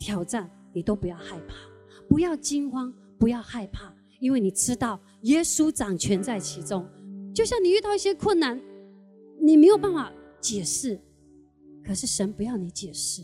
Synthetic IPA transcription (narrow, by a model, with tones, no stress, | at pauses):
t̪ʰjɑ˨˩ʊʈ͡ʂa˥˩n | ni˨˩t̪o˥ʊpu˧˥jɑ˥˧ʊxa˥˧ɪpʰa˥˩ | pu˧˥jɑ˥˩ʊt͡ɕi˥ŋxwɑ˥ŋ | pu˧˥jɑ˥˧ʊxa˥˧ɪpʰa˥˩ | i˥nwe˥˩ɪni˨˩ʈ͡ʂɻ̩˥t̪ɑ˥˩ʊ | jɛ˥su˥ʈ͡ʂɑ˨˩ŋt͡ɕʰɥɛ˧˥nt͡sa˥˩ɪt͡ɕʰi˧˥ʈ͡ʂʊ˥ŋt͡ɕjo˥˧ʊɕjɑ˥˩ŋni˨˩y˥˧t̪ɑ˥˧ʊi˥˩ɕjɛ˥kʰwə˥˩nna˧˥n | ni˨˩me˧˥ɪjo˨˩ʊpa˥˩nfa˨˩ | t͡ɕjɛ˨˩ʂɻ̩˥˩ | kʰɤ˨˩ʂɻ̩˥˩ʂə˧˥npu˧˥jɑ˥˩ʊni˧˥t͡ɕjɛ˨˩ʂɻ̩˥˩